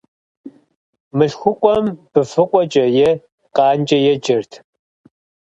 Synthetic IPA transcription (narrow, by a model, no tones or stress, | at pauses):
mɨɬxʷʊqʷʼɔmb̥ɨfɨqʷʼɔt͡ʃʼɐjɛ | qʼɑːnt͡ʃʼɐjɛd͡ʒɐrtʰ